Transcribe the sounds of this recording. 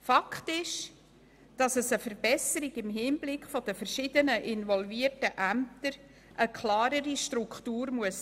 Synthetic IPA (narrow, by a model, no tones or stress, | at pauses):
fɑkχtɪʃ | d̥ɑsəsəfəɾb̥ɛsəɾiɡɪmɦɪnblɪkχfɔdəfəɾʃɪdənəʔɪnvɔlviərtəʔæm̚t̪əɾ | ʔəkʰlɑːɾəɾiʃtɾʊkχtuːɾmuəs